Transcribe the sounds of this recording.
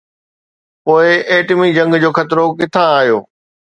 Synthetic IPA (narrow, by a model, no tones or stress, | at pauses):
poːɪʔeːʈmid͡ʑɐ̃ŋɡd͡ʑoːxɐt̪ɾokɪt̪ʰãaːɦjoː